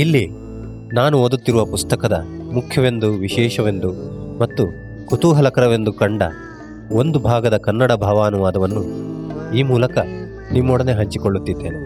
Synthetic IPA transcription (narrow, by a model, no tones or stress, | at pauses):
ilːi | naːnuoːd̪ut̪ːiɾuʋɐpust̪ɐkɐd̪ɐmukʰjɐʋe̞nd̪uʋiʃɛːʃɐʋe̞nd̪umɐt̪ːu | kut̪uːɦɐlɐkɐɾɐʋe̞nd̪ukɐɳɖɐ̰ | o̞nd̪ubʱaːɡɐd̪ɐkɐnːɐɽɐbʱɐʋaːnuʋaːd̪ɐʋɐnːu | iːmuːlɐkɐ | nimːɔɽɐne̞ɦɐɲt͡ʃikoɭːut̪ːid̪ːe̞ːne